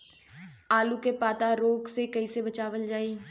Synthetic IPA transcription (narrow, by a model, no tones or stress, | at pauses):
aːlukepaːt̪aɾoːɡsekɐisebət͡ʃaːʋəld͡ʒaːiː